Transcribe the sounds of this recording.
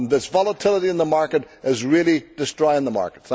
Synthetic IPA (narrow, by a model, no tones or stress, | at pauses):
nðɪsvɑlˠətʰɪlˠəɾiɨ̃nðəmaɹkəɾ | ɪzɹilˠid̥ɨstɹ̥ɔɪɪ̃ŋðəma̰ɹkət̪̚θ